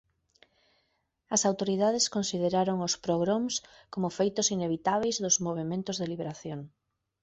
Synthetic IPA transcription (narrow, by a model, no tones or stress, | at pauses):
ɐsawt̪oɾiðaðeskonsið̞eɾaɾoŋʊspɾoɣɾoms | komofejt̪ʊsineβ̞it̪aβ̞ejzðozmoβ̞emẽnt̪ʊzðeliβeɾaθjoŋ